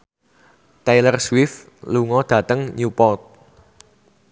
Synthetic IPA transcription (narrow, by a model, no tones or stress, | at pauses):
t̪ajlərswɪf | luŋɔd̪̥ä̤t̪əŋɲupɔt̪̚